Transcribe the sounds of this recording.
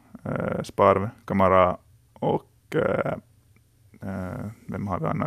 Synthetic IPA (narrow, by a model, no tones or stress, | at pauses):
spɑːɾʋkʰɑməɾɑ | ɔk | ʋɛmhɑɾʋɪɑ̰nːɑ